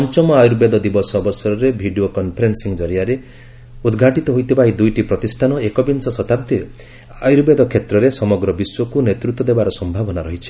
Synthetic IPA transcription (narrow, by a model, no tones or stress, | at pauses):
ɔnt͡ʃɔmɔajuɾbed̪ɔd̪ibɔsɔːbɔsɔɾɔɾebʱiɖiokɔnpʰɔɾensiŋd͡ʒɔɾijaɾe | ud̪ɡʱaʈit̪ɔɦojt̪ʰipaɦid̪ujʈipɾɔt̪isʈʰanɔekɔbinsɔsɔt̪ab̚d̪i | ajuɾbed̪ɔkʰet̪ɾɔɾesɔmɔɡɾɔbiswɔkunet̪ɾut̪wɔd̪ebaɾɔsɔmbʱabɔnaɾɔɦit͡ʃʰi̥